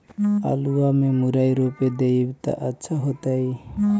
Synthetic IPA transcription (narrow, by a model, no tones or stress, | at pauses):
a̰luwamemuɾajɾoped̪ebt̪a̰ʔətːʃʰaɦot̪aj